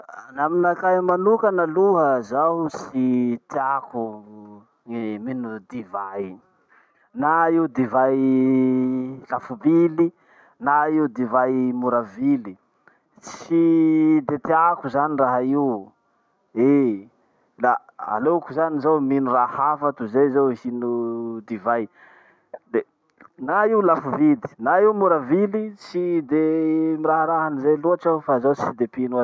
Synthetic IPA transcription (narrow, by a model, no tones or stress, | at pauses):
naminakamanukənaluɦəzaɦusit̪eaku | eminud̪ivaj | naiud̪ivaj | lafubili | naiud̪ivajmuɾavili | t͡sid̪et̪eakuzaniraɦaiw | e | la | a̰lokuzanizowminurahafat̪uzezohinud̪ivaj | d̪e | naiuwlafuvili̥naiwmuɾavilit͡sid̪emiɾaɦaɾaɦanizeluaʈ͡ʂafazowt͡sid̪epinua